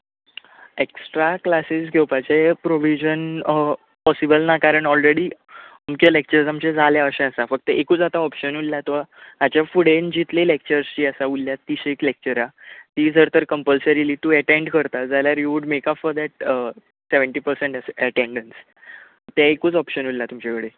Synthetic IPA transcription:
eksʈɾaklasisɡʱewpat͡ɕepɾoʋid͡ʑən | pɔsibəlnakaɾəɳʈɔlɾeɽiː | əmkelek̚t͡ɕəɾsamt͡ɕed͡zʱaljaəɕẽəsafək̚t̪əekuːt͡sat̪aɔpɕənulːjat̪ɔad͡ʑjafuɽend͡ʑit̪lelek̚t͡ɕəɾst͡ɕiːəsaulːjat̪iɕeklek̚t͡ɕəɾat̪iːd͡zʱəɾt̪əɾkəmpəlsəɾiliːt̪uəʈẽɳɖkəɾt̪ad͡zaljaɾjuʋuɖmekapfɔɾd̪ɛʈ̚ə | seʋəɳʈiːpəɾsẽɳʈəsəʈẽɳɖəns | t̪ɛekuːt͡sɔpɕənulːat̪umt͡ɕakəɽe

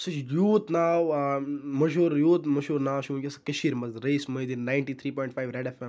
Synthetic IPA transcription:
sɐt͡ʃʰjuːt̪naːwmɐʃuːɾjuːt̪mɐʃuːɾnaːwʃũːkʲɐsɐ̥kɐʃiːɾmɐzɾejsmɐjd̪innaːjɳʈiːt̪ʰɾiːpɔːjɳʈfʰaːjʋɾeɖɐfɐ

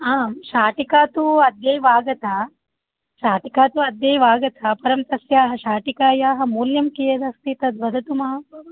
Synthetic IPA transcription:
aːmʃaːʈikaːt̪uɐd̪jejʋaːɡɐt̪a | ʃaːʈikaːt̪uɐd̪jɐːjʋaːɡɐt̪ʰapɐɾɐmt̪ɐsjaːɦɐʃaːʈikaːjaːɦɐ̆muːljɐmkijɐd̪ɐst̪it̪ɐd̪ʋɐd̪ʱɐt̪umɐɐ

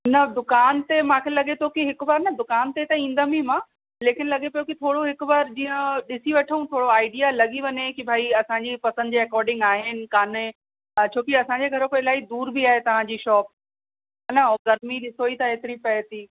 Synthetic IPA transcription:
nɐd̪ʊkaːnt̪emãːkʰelɐɠet̪ʰokiɦɪkbaːɾnɐd̪ʊkaːnt̪et̪ɐĩːnd̪amimãː | leːkɪnɪ̆lɐɡepɐjokit̪ʰoːɽoɦɪkʊbaːɾd͡ʑĩːə̃ɗɪsiʋɐʈʰəũt̪ʰoːɽoaːɪɖijalɐɠiʋɐɲekibʱaːiɐsãːɲd͡ʑipɐsə̃nd̪d͡ʑeːɛkɔːɾɖɪ̃ŋɡaːɦɪnɪ̆kaːne | t͡ɕʰoːkiɐsãɲd͡ʑeɡʱɐɾokeɪlaːid̪uːɾbiaːɦet̪ɐʋ̤ãd͡ʑiːʃɔːp̚ | ɐnɐɡɐɾmiɗɪsoit̪ʰaeːt̪ɪɾipɐɪt̪iː

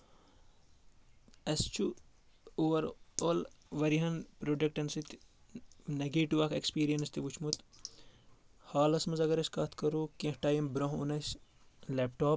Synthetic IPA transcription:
ɐst͡ʃʰu | oːʋɐɾoːlʋɐɾiɦɐnpɾoːɖek̚ʈɐnsit̪ʰ | nɐɡeːʈiʋakekspiːɾijɐnst̪iʋut͡ʃʰmut̪ʰ | haːlɐsmɐzɐɡɐɾɐskɐt̪ʰkɐɾuːkẽhʈaːjimbɾɐ̃ɦṵnɐs | leːp̚ʈoːp̚

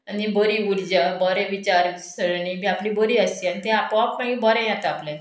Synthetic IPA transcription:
anibɔɾiuɽd͡ʑabɔɾɛ̃ʋit͡ɕaɾsəɽnimĩapliboɾiːəsianit̪ɛ̃apapmãɡĩbɔɾɛ̃jat̪aplɛ̃

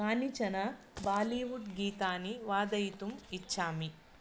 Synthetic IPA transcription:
aːnit͡ʃɐnɐ | baːliːʋuʈɡiːt̪aːniʋaːd̪ɐjit̪umit͡ʃːt͡ʃʰaːmi

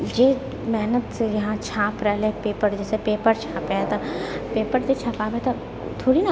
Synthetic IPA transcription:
d͡ʒeː | mɛɦnət̪sejɐɦãt͡ʃʰaːpɾɛlepeːpəɾd͡ʒɛːsepeːpəɾt͡ʃʰaːpet̪apeːpəɾd͡ʒet͡ʃʰaːpaːʋet̪ʰa | t̪ʰoːɽina

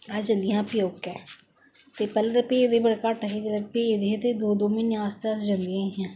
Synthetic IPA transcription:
aːd͡ʒãnd̪ijãːpjoːɡkɛː | t̪eːpɛːled̪aped̪eːbəɽkaːʈəɦeːd͡ʒədəpid̪eːt̪eːd̪oːd̪oːmiːnãːst̪easd͡ʒãːnd̪ijãːɦãː

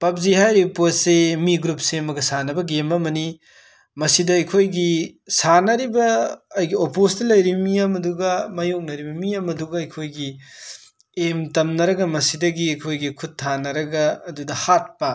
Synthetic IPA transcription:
pɐp̚ziɦajɾipot̚semiɡɾup̚semɐɡɐsanɐbɐɡemɐmɐni | mɐsidɐɐjkʰojɡisanɐɾibɐːjɡiopostɐlɐjɾimiamɐduɡɐmɐjok̚nɐɾibɐmiamɐduɡɐɐjkʰojɡi | emtɐmnɐɾɐɡɐmɐsidɐɡiɐjkʰojɡikʰut̚tʰːanɐɾɐɡɐɐdudɐhat̚pɐ

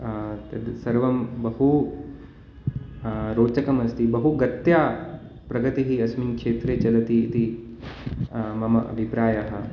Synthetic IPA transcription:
t̪ɐd̪sɐɾʋɐmbɐɦu | ɾoːt͡ʃɐkɐmɐst̪ibɐɦuɡɐt̪jaː | pɾɐɡɐt̪iɦiɐsminkʂeːt̪ɾeːt͡ʃɐlɐt̪iːt̪i | mɐmɐʔɐ̰bʱipɾaːjaɦɐ̆

